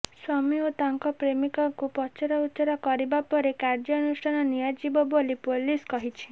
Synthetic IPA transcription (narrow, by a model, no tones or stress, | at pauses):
swɔmiot̪aŋkɔpɾemikɔŋkupɔt͡ʃɔɾɔusɔɾɔkɔɾibapɔɾekaɾd͡ʒɔnusʈʰanɔnijad͡ʒibɔbolipoliskɔɦit͡ʃʰi̥